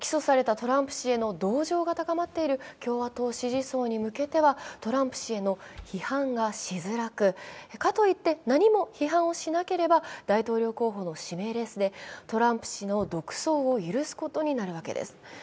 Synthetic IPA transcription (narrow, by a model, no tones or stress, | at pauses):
kʲi̥so̞saɾe̞t̪at̪o̞ɾãmpɯ̟̥ɕie̞no̞d̪o̞ːʑo̞ːɡat̪akamat̪ːe̞iɾɯ̟kʲo̞ːβat̪o̞ːɕiʑiso̞ːɲ̟imɯ̟ke̞t̪e̞βat̪o̞ɾãmpɯ̟̥ɕie̞noçihãŋɡaɕizɨɾakɯ̟kat̪o̞it̪ːe̞naɲ̟imo̞çiɦãɰ̃o̞ɕinake̞ɾe̞bad̪̥ait̪o̞ːɾʲo̞ːko̞ːɦo̞ːno̞ɕime̞ːɾe̞sɨd̪e̞t̪o̞ɾãmpɯ̟̥ɕino̞d̪o̞kɯ̟̥so̞ːojɯ̟ɾɯ̟sɨ̥ko̞t̪o̞ɲ̟inaɾɯ̟βake̞̰d̪ḛsɨ̥